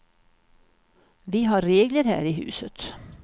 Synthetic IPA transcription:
vɪɦɑɾːeːɡləɾhæ̰ːɾɪɦʉ̟̰ːsət̪

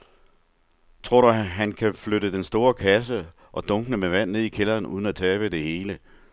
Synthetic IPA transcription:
t͡sʰʁo̝ɐ̰ɾ̥uɦænkʰæfløɾəd̥ensd̥o̝ːɐkʰæs̬ə | ʔɒ̽d̥ɔ̽ŋɡ̥nəmeʋæn̰ne̝ð̰ˠikʰelɐːnṵð̞ˠən̩æt͡sʰɛːb̥əd̥e̝he̝ːlə

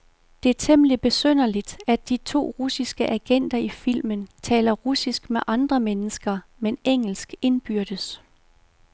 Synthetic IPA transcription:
d̥e̝æt͡sʰemlib̥e̝søn̰ɐlid̥æd̥ːit͡sʰo̝̰ːʁusisɡ̥əʔæɡ̥en̰d̥ɐifil̰mənt͡sʰɛ̰ːlɐʁusisɡ̥meʔɑ̈nd̥ʁɐmenəsɡ̥ɐmeneŋ̰l̩sɡ̥e̝nb̥yɐ̰d̥əs

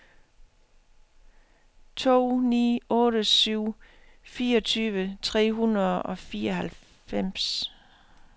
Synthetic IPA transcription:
t͡sʰo̝̰ːnḭːɔ̽ːɾəsyʊ̰ | fiːɐɒ̽t͡sʰyːʋət͡sʰʁɛ̰ːɦunɐðˠɒ̽fiːɐɒɦæl | fem̰s

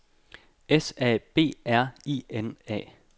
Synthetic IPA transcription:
esɛ̰ːb̥e̝̰ːæɐ̰ḭenɛ̰ː

